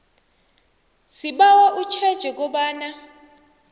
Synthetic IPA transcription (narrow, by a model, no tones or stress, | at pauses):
siɓawaʔut͡ʃʰɛd̥ʒ̥ʱɛk̬ʼɔɓaːna